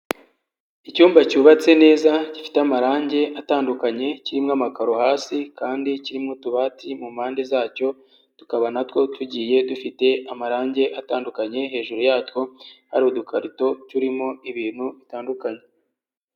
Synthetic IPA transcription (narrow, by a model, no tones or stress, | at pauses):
icuːmbacuːβat͡se̞ne̞ːzacifi̥teamaɾaːɲɟe̞ʔataːndukaɲe̞ciɾimŋamakaɾo̞haːsikaːndiciɾimŋotuβaːtʰimumhaːnde̞zaːco̞ | tu̥kaβanatwo̞tuɟiːje̞dufite̞amaɾaːɲɟe̞ʔataːndukaɲe̞ɦe̞ːʒuɾujaːtwo̞haɾiodukʰaɾito̞tuɾimo̞iβiːnhuβitaːndukaɲe̞